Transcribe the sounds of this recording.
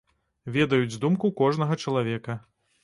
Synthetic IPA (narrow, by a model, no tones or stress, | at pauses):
vʲɛd̪ɐjud͡zʲzd̪umkukɔʐnɐɣɐt͡ʂɐlˠavʲɛkɐ